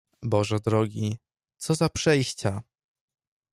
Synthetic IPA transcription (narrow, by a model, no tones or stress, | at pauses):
bɔʐɛd̪ɾɔɡʲi | t̪sɔzapʂɛjɕt͡ɕa